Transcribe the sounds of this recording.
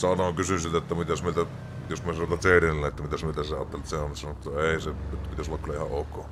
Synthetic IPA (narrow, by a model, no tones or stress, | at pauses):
sɑnokysysit̪et̪ːæmit̪æsmilt̪æ | josmiæsɑnot̪ɑseːɾenelːæet̪ːæmit̪æsmilt̪æseɑ̰ːt̪ːelet̪seonisɑnot̪ːɑeˑiset̪ːpit̪æsolːɑkylːæʔihɑ̰ʔʔoˑːkːoː